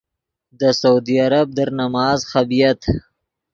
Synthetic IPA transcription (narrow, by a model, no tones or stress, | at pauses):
d̪əsaud̪iaɾab̚d̪əɾnamɑːzxabijat̪